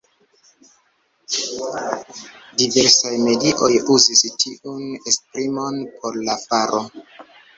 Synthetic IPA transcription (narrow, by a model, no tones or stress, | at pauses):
diveɾsajme̞diʔo̞juzistʰiunespɾimo̞npʰo̞ɾlafaɾʔo